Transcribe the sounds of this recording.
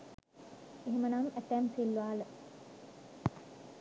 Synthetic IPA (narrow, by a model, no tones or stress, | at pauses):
eɦemənamæt̪æmfilːuʋaːlə